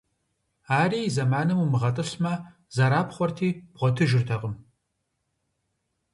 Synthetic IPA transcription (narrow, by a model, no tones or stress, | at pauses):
aːɾiːzɐmaːnɨmumɨʁɐtʼɨɬmɐ | zɐɾaːpχʷɔrtʰiːb̥ʁʷɔtʰɨʒɪrtʰɐqʼəm